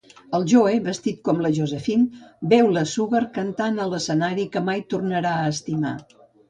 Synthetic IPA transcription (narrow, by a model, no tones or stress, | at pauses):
əlˠʒoeβəst̪it̪̚kɔmləʒuzəfinbɛwləsuɣərkənt̪anələsənaɾikəmajt̪urnəɾaəːst̪ima̰